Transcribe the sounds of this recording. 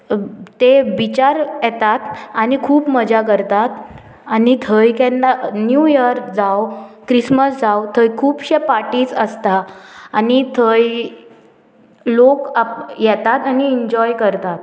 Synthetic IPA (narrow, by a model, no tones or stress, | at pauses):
t̪eʋit͡ɕaɾjɛt̪at̪anikʰuːpməd͡ʑak̬əɾt̪at̪ | anit̪ʰəjkɛ̃nanjujəɾd͡zawkɾisməsd͡zawt̪ʰəjkʰuːpɕepaʈiːt͡səst̪aːnit̪ʰəj | lokajɛt̪at̪aniiɲd͡ʑɔjkəɾt̪at̪